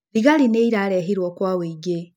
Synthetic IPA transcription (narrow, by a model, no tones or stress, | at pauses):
liɣalineiɾaɾeɦiɾwokwawiɡe